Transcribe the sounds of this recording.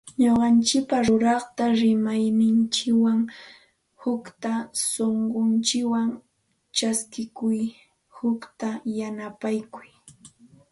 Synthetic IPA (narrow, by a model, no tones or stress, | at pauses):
ɲoɢɑnt͡ʃɪk̚paɾʊɾɑχt̪aɾɪmajnɪnt͡ʃɪkwaŋ | hʊkt̪asoɴɢont͡ʃɪkwaŋ | t͡ʃaskɪkʊj | hʊkt̪ajanapajkʊj